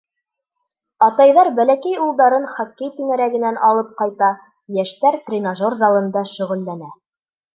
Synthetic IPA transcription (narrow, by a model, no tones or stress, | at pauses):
ɑt̪ɑjðɑɾbælækæjulˠd̪ɑɾɤnχɒkːɘjt̪inæɾæɡɘ̆nænʔɑlˠɤp̚qɑjt̪ɑ | jæʃt̪æɾt̪rʲɪnoʒorzɑlˠɤ̆nd̪ɑʃɵ̆ʁɵ̆lːænæ